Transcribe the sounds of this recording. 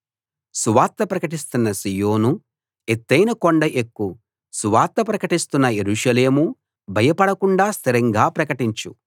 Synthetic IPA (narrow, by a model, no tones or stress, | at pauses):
suʋaːɾt̪ːɐpɾɐkɐʈist̪unːɐsijo̞ːnu | et̪ːɐjnɐkoɳɖɐʔekːu | suʋaːɾt̪ːɐpɾɐkɐʈist̪unːɐjeɾuːʂɐle̞ːmu | bʱɐjɐpɐɽɐkuɳɖaːst̪ʰiɾɐŋɡaːpɾɐkɐʈiɲt͡ʃu